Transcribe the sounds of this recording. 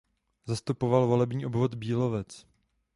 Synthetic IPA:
zast̪upo̞valvo̞lɛbɲiːʔobvo̞d̪biːlo̞vɛt͡s

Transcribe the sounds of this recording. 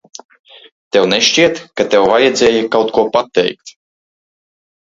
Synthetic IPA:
t̪ɛwnɛʃt͡ʃiɛt̪kat̪ɛwvajɛd̪zʲɛːjikawt̪kuɔpat̪ɛ̰jk̚t̪

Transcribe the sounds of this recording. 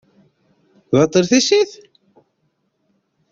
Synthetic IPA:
ðɑt̪ˤːəɾθisiθ

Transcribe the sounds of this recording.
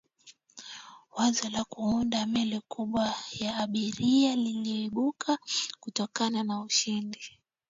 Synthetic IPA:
wazɔlakuundamɛlikuɓwajaːɓiɾialiliɔiɓukʰakutɔkananauʃindi

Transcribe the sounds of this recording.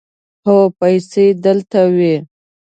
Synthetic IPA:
hopajsed̪əlt̪awi

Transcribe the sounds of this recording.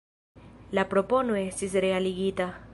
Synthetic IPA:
lapɾoponoest̪isɾealiɣit̪a

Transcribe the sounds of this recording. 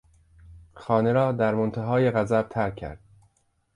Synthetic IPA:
xɒːne̞ɾɒːd̪æɾmont̪ʰæɦɒːje̞ɣæzæb̥̚t̪ʰæɾkʰːæ̰ɾd̪̥̚

